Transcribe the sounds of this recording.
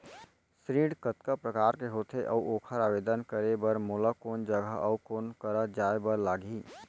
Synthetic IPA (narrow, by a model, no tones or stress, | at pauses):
sɾiːɽkət̪kəpɾəkaːɾkeɦoːt̪ʰeʔɔuoːkʰəɾaːʋeːd̪ənkəɾebəɾmoːlakoːnd͡ʒəɡʱəʔɔukoːnkəɾəd͡ʒaːebəɾlaːɡiː